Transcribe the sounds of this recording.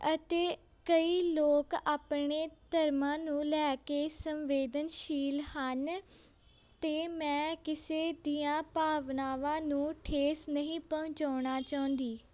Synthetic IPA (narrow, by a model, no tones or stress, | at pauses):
ət̪eː | kəiːloːkaːpɳeːt̪əɾmãːnũːlɛːkeːsəmʋeːd̪ənʃiːlhən | t̪eːmɛ̃ːkɪseːd̪iːãːpaːʋnaːʋãːnũːʈʰeːsnəɦĩːpəʊ̃t͡ʃaːɳaːt͡ʃaːʊ̃nd̪iː